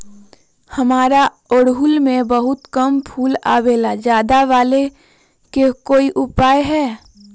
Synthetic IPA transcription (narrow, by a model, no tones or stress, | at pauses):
həmaːɾa | oːɽɦʊlmẽbəɦʊt̪kəmpʰuːla̰ːweːlad͡ʒjaːd̪aʋaːle | kekoːiʔʊpaːjɦɛː